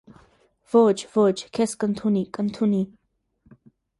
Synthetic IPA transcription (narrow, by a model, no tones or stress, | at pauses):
v̥od͡ʒvod͡ʒkʰɛskʼənt̪ʰunikʼənt̪ʰuni